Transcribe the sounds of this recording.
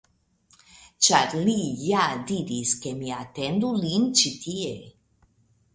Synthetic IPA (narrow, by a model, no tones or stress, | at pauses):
t͡ʃaɾlijad̪iɾiskemiat̪end̪ulint͡ʃit̪ʰie